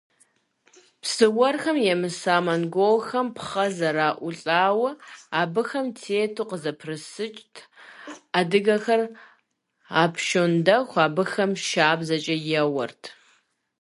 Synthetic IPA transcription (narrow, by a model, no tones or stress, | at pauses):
pʰsɨwɐrxɐmjɛmɨsaːmɐnɡʷowxɐmpχɐzɐɾaːʔʷʊɬʼaːwɐaːbɨxɐmtʰeːtʰuːqəzɐpʰrɨsɨt͡ʃʼtʰ | adɨɣɐxɐr | aːpʰʃondɐxʷaːbɨxɐmʃaːbzɐt͡ʃʼɐjɛwɐ̰rtʰ